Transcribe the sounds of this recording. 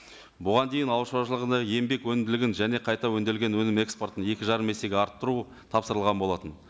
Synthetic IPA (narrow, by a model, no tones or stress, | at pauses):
bʊʁɑnd̪e̞jɪnɑwəʃɑʃəlˠəʁənɑje̞mbe̞kwɵnɪmd̪ɪlɪɡʲɪnʒæne̞qʰɑjt̪ɑwɵnd̪e̞lɡʲe̞nwɵnɪme̞kspo̞rt̪ənje̞kʲɪʒɑɾəme̞se̞ɡʲeɑɾt̪ːəɾu | t̪ʰɑpsəɾəlˠʁɑnbo̞lˠɑt̪ən